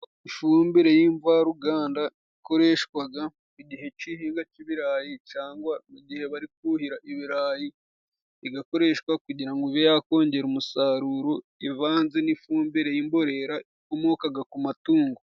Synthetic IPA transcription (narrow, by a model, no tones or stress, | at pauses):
ifuːmbiɾe̞jiɱvaɾuɡaːnda | iko̞ɾe̞ʃkwaɡa | iɟiɦe̞cihiːŋɡaciβiɾaːjit͡ʃaːŋɡwamuɟihe̞βaɾik̚uhiɾaʔiβiɾaːji | iɡako̞ɾe̞ːʃkwakuɟiɾaŋɡoiβjojaːko̞ːɲɟe̞ɾumusaɾuːɾo̞ | ivaːnze̞nifuːmbiɾe̞jimbo̞ɾe̞ɾaikomokaɡakumatuːŋɡo